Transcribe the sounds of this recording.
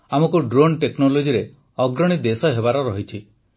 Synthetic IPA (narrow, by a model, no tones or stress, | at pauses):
amɔkuɖɾonʈeknolod͡ʒiɾe | ɔɡɾɔɽ̃id̪esɔɦebaɾɔɾɔɦit͡ʃʰi